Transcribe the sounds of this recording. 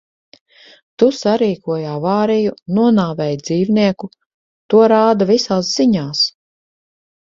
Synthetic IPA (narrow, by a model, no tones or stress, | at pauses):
t̪usaɾiːkuɔjaːvaːɾijunuɔnaːvɛjd̪ziːvniɛku | t̪uɔɾaːd̪avisaːs̬z̥iɲaːs